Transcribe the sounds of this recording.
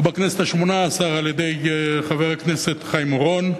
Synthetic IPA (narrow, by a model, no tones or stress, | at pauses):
bakne̞set̪haʃmo̞naːsaʁaljed̪e̞jχaveʁakne̞se̞t̪χajmoʁo̞n